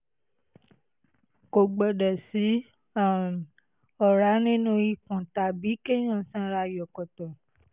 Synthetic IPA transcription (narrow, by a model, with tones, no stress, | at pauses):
ko˨ɡ͡bɔ˨dɛ˨si˨˦ | a˦˨ | ɔ˨ɾa˨˦nĩ˦nũ˦i˧˨kũ˨ta˨bi˨˦ke˦j̃ɔ̃˦˨sã˦ɾa˧jɔ˨kɔ˨tɔ̃˨